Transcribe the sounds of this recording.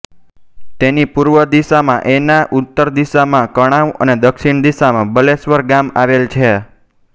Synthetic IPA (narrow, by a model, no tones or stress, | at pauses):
t̪enipuɾʋəd̪iʃamãʔenaʔut̪ːəɾd̪iʃamãkəɽ̃aʋə̰ned̪əkʃiɳd̪iʃamãbəlesʋəɾɡamaʋelt͡ʃʰe